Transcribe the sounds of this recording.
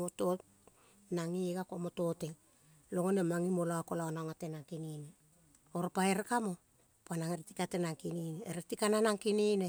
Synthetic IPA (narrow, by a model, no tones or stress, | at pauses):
oto̞t | naŋiɡakomoto̞te | lo̞ŋonemaŋimoloakolaonaŋate̞naŋkinine | oɾopaeɾekamo̞ | panaŋeɾetikatenaŋkinineːɾetikananaŋkinine